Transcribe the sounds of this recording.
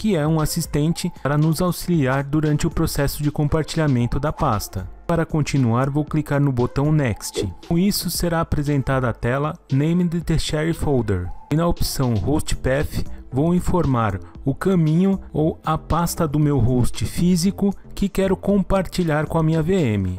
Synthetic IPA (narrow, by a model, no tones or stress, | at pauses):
kɪɛũasist̪ẽnt͡ʃɪaɾɐnʊzawsiliaɾd̪uɾɐ̃nt͡ʃɪʊpɾosɛsʊd͡ʒɪkõpaɾt͡ʃiʎamẽnt̪ʊd̪ɐpast̪ɐpaɾɐkõnt͡ʃinuaɾvowklikaɾnʊbot̪ɐ̃w̃nɛkst͡ʃɪõisʊseɾaːpɾezẽnt̪ad̪ɐːt̪ɛlɐnẽjmd̪ɪt̪eʃɛɾifowd̪ḛɾɪnɐopsɐ̃w̃host͡ʃɪ̥pɛfɪ̥vowĩfoɾmaɾʊkɐ̃mĩɲʊowɐpast̪ɐd̪ʊmewɦost͡ʃɪfizikʊkɪkɛɾʊkõpaɾt͡ʃiʎaɾkõɐmĩɲɐveẽmɪ̰